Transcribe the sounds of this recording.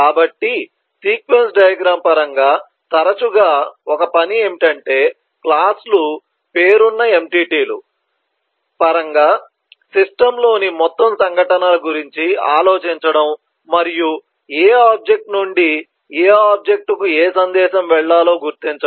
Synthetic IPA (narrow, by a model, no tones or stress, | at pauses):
kaːbɐʈːi | siːkʋe̞nsɖɐjɐɡɾaːmpɐɾɐŋɡaː | t̪ɐɾɐt͡ʃuɡaːɔkɐpɐnieːmiʈɐɳʈe̞ː | klaːslu | pe̞ːɾunːɐe̞mʈiːʈiːlṵ | pɐɾɐŋɡaː | siʂʈɐmlo̞ːnimɔt̪ːɐmsɐŋɡʱɐʈɐnaːlɐɡuɾiɲt͡ʃiaːlo̞ːt͡ʃiɲt͡ʃɐɽɐmː | ɐɾiju | eːaːb̚d͡ʒe̞k̚ʈnuɳɖi | eːaːb̚d͡ʒe̞k̚ʈukueːsɐnd̪ɛːʃɐmʋɛɭːaːlo̞ːɡuɾt̪iɲt͡ʃɐ